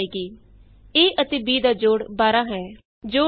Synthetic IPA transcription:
eːkiː | eːʔət̪eːbiːd̪aːd͡ʒoːɽbaːɾãːɦɛː | d͡ʒoː

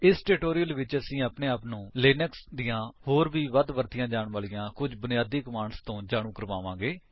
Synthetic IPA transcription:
ɪsʈeːʈoːɾijəlʋɪt͡ʃəsĩːaːpneːaːpnũːleːnəksd̪ɪjãːhoːɾbiːʋəd̪ʋəɾt̪ɪjãːd͡ʒaːɳʋaːlɪjãːkʊd͡ʒbʊnɪjaːd̪iːkəmaːɳst̪õːd͡ʒaːɽ̃ũːkəɾʋaːʋãːɡeː

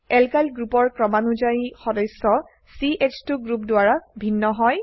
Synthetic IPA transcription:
ɛlkalɡɹupɔɹkɹɔmanud͡ʒaixɔdɔsːɔ | siʔet͡ʃtuɡɹupdʊaɹabʱinːɔɦɔj

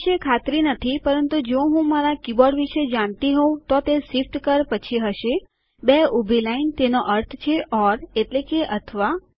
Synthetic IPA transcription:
ʃekʰat̪ɾinət̪ʰipəɾənt̪ud͡ʒõɦũmaɾakibɔɖʋiʃəd͡ʒaɳt̪iɦõt̪ot̪esifʈkəɾpət͡ʃʰiɦəʃe | beubʱilaint̪enoʔəɾt̪ʰt͡ʃʰeʔɔɾeʈlekeʔət̪ʰəʋa

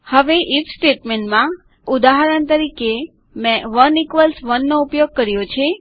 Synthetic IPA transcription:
həʋeʔifsʈeʈmeɳʈmã | ud̪aɦəɾənt̪əɾike | mɛ̃ʋənikʋəlsʋənːoupjoɡ̚kəɾjot͡ʃʰe

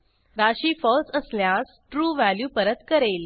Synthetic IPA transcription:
ɾaɕiːfɔlsəsljas | ʈɾuːʋæljuːpəɾət̪kəɾel

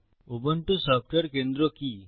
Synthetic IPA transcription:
obəɳʈusap̚ʰʈəɾkẽnd̪ɾoki

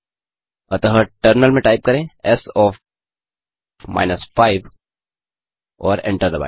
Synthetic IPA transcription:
ɐt̪əɦəʈəɾnəlmẽʈaːɪp̚kɐɾẽɛsɔːf | ma̰ːɪnəsfaːɪʋ | ɔːɾɛ̰̃ɳʈəɾd̪əba̰ɪ

